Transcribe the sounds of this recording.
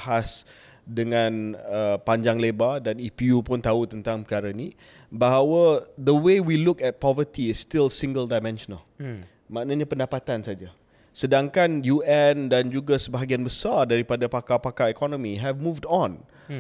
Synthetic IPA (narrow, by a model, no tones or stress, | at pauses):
has | dəŋãnəpaɲd͡ʒaŋlebadanipiupʊnt̪aut̪ənt̪aŋpəkaɾani | baɦawəd̪əwewilukɛt̪̚pɔvət̪iɪsːt̪ɪlsĩŋɡəldajmɛ̃nʃɔnəl | maʔnaɲãpəndapat̪ansad͡ʒa | sədaŋkanjuɛndand͡ʒuɡasəbaɦaɡianbəsardaɾipadapakapakaikɔnɔ̃miɦɛvmuvdɔ̃n